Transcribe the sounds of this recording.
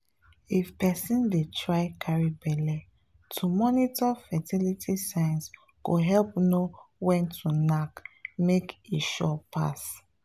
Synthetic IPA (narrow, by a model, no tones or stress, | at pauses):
ifpɛsĩndetɹaɪkʰaɹibɛlɛ | tʰumɔnitɔfɛtilitʰisãɪ̃ns | koɦɛlpnowɛ̃ntʰunakmekeʃɔpʰa̰s